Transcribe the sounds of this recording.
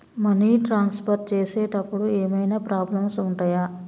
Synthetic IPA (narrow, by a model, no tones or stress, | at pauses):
mɐniːʈɾaːnspʰɐɾʈ̚t͡ʃeːseːʈɐpːuɽueːmɐjnaːpɾaːblɐmsuɳʈaːjaː